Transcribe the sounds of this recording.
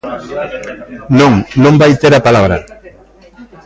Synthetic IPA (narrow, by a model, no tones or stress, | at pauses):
nõŋnõmbajt̪eɾapalaβɾa